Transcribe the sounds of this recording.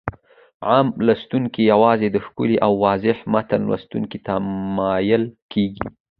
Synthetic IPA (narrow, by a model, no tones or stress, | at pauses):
ʕamlast̪uŋkijawɑzed̪əxkṵliʔawːɑzɪhmat̪anwa̰st̪ṵŋkit̪amɑjəlkʰeɡḭ